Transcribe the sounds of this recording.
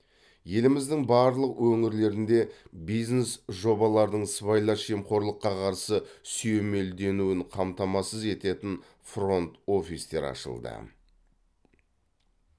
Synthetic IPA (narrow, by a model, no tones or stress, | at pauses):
je̞lɪmɪzd̪ɪŋbɑɾlˠəqwɵŋɪɾle̞ɾɪnd̪e̞bijznesʒo̞bɑlˠɑɾd̪əɴsvajlˠɑʃemqo̞ɾlˠəqːɑqʰɑɾsəsyjeme̞ld̪e̞nuwɪɴqʰɑmt̪ɑmɑsəze̞t̪e̞t̪ɪn | fro̞nt̪o̞fist̪e̞̰ɾɑ̰ʃə̰lˠd̪ə̰